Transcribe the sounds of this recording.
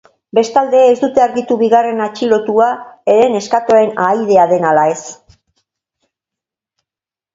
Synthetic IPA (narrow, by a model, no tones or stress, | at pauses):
be̞st̪ald̪e̞ːzd̪ut̪e̞aɾɣit̪uβiɣare̞nat͡ʃilo̞t̪uae̞ɾe̞ne̞skat̪o̞e̞najðe̞aðe̞nalae̞s